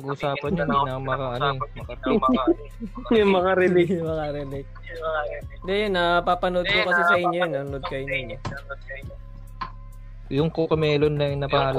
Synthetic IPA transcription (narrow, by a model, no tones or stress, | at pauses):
ɡʔuːsaːpɐnɲond̪inɐmɐkaʔɐnomɐkat̪ɐa | jɐmɐkaɾɛlɛmɐkɐɾɛlɛk̪̚ | d̪ɛjonːɐpapɐnod̪̚kokɐsɛsɐʔɪɲjojnːɐnʊnod̪̚kɐjʊniɲːo | jʊŋkokɐmɛːlonːɐŋnɐpaʔɐl